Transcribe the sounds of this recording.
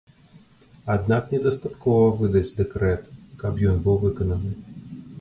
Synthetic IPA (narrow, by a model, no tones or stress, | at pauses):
ad̪naknʲɛd̪ɐst̪at̪kɔvɐvɨd̪ɐt͡sʲd̪ɛkɾɛt̪kapjɔnbɨwvɨkɐnɐnɨ